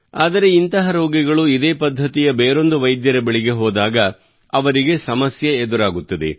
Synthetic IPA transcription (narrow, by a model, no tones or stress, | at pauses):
aːd̪ɐɾe̞int̪ɐɦɐɾoːɡiɡɐɭuid̪eːpɐd̪ʱːɐt̪ijɐbeːɾo̞nd̪uʋɐjd̪jɐɾɐbɐɭiɡe̞ɦɔːd̪aːɡɐ | ɐʋɐɾiɡe̞sɐmɐsjɐed̪uɾaːɡut̪ːɐd̪e̞̰